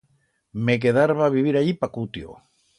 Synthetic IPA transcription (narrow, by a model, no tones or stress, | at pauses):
mek̬eðaɾβaβiβ̞iɾaʎipakut̪jo̰